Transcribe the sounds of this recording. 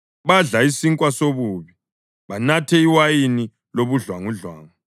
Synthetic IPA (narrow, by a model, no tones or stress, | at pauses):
βaɮaisiŋkʼwasoβuːβi | βanatʰɛiwajini | loβuɮwaŋuɮwaːŋu